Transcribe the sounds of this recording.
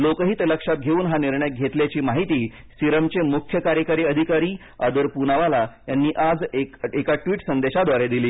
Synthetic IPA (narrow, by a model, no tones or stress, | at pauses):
lokəɦiːt̪ləkʂat̪̚ɡʱeuːnɦaniɾɳjaɡʱet̪ljat͡ɕiːmaɦit̪iː | siɾəmt͡ɕemukʰjəkaɾjəkaɾiːəd̪ʱikaɾiː | ad̪əɾpunaʋalajanːiːʔad͡zekekaʈʋiːʈsənd̪eɕad̪ʱʋaɾed̪iliː